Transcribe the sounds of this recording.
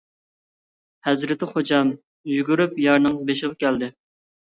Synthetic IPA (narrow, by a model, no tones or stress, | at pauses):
hɛzɾɪt̪ʰɪχod͡ʒɑm | jyɡʲyɾypjɑɾnɨŋbeʃ̬ɪʁɑkʲʰæld̪ɪ